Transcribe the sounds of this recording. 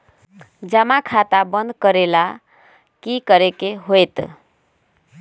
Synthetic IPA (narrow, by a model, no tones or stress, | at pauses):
d͡ʒəmakʰat̪abənd̪ʱkəɾela | kikəɾekeɦojt̪